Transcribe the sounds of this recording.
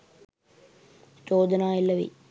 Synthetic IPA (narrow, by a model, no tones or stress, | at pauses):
t͡ʃoːd̪ɐnaːilːɐʋḭ